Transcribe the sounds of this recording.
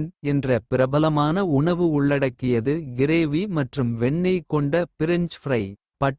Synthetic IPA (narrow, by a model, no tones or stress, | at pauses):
nɛndrɐpɪɾɐbɐlɐmaːnɐʊɳɐʋɯʊɭːɐɽɐkːɪjɐðɯɡɪɾeːʋimɐʈrɯmʋɛɳːɐɪkɔɳɖɐpɪɾɪnd͡ʒfrɐɪ | pɐʈ